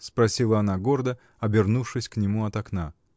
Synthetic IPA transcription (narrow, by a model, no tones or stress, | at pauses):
spɾɐsʲilˠəɐnaɡo̞rd̪ə | ɐbʲɪrnufʂɨsʲknʲɪmuɐt̪ɐkna